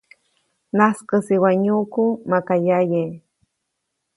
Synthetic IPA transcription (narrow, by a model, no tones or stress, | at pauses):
naskɨsiwaɲukumakajaje